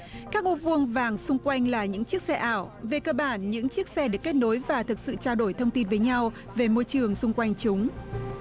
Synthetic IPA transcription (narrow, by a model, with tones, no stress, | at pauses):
kaː˦˥k̚ʔṵ˧˥vɨ˧əŋvaː˨˩ŋsʊ˧ŋ͡mkwa˧jŋ̟laː˨˩ɲɨ̰˧˥ŋt͡ɕi˦˥ək̚sɛ˧ʔaː˧˩wve˨˩kəː˧ɓaː˧˩nɲɨ̰˧˥ŋt͡ɕi˦˥ək̚sɛ˧ɗɨ˨˩kːe˦˥t̚no˨˦jvaː˨˩t̪ʰɨ˨˩k̚sɨ̰˧˨t͡ɕaː˧wɗo˧˩jt̪ʰə˧wŋ͡mt̪i˧nvəː˨˦jɲa˧w | ve˨˩mo˧jt͡ɕɨ˨˩əŋsʊ˧ŋ͡mkwa˧jŋ̟t͡ɕʊ˨˦ŋ͡m